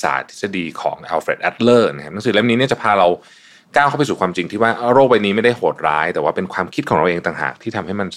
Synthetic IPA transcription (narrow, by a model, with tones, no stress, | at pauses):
sa̰ː˨˩˦t̪ʰsa˧diː˧kʰɔ̰ː˩˦ŋʔɛː˧wfe˨˩t̪ʔɛ˦˥t̪̚lɤː˥˩na˦kʰa˥p̚na˥ŋsɯː˨˩˦le˦˥˩mniː˦˥ni˥˩t͡ɕa˨˩pʰaː˧ɾa˧w | kaː˥˩wkʰa˥˩pa˧˩suː˨˩kʰwaː˧mt͡ɕi˧ŋt̪ʰiː˥˩waː˥˩ʔɾoː˥˩k̚wa˧jniː˦˥ma˥˩jda˥˩hoː˨˩t̪̚ɾa̰ː˦˥jt̪ɛː˨˩waː˥˩pe˧nkʰwaː˧mkʰi˦˥t̪̚kʰɔː˩˦ɾa˧wʔeː˧ŋt̪aː˨˩ŋɦa̰ː˨˩k̚t̪ʰiː˥˩t̪ʰa˧mha˥˩jma˧n